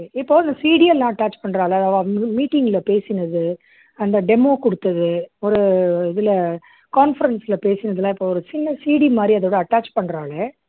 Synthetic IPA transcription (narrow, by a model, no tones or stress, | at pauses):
ɪpːoːɪnd̪ɐsiːɽɪɐlːãːɐʈːaːt͡ʃpɐɳːɾaːɭɐɐðaːʋamiːʈːɪŋɡɪlɐpeːsɪnɐðɯ | ɐnd̪ɐɖɛmõːkɔɽɯt̪ːɐðɯɔɾɯɪðɪlɐ | kaːnfɐɾɐnsɪlɐpeːsɪnɐðɯlãːɪpːoːɔɾɯt͡ʃɪnːɐsiːɽimaːd̪ɾiɐðɐʋɽɐɐʈːaːt͡ʃpɐɳːɾaːlɐ